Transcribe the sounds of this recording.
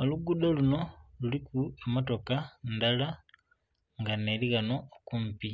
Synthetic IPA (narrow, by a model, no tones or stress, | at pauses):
oluɡudaluno̞lulikuemoto̞kandala | ŋɡane̞liɣanookumpi